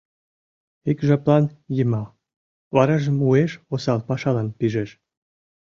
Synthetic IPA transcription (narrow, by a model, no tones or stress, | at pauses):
ikʒɑplɑnjəmɑ | βɑɾɑʒə̆mueʃosɑlpɑʃɑlɑnpiʒeʃ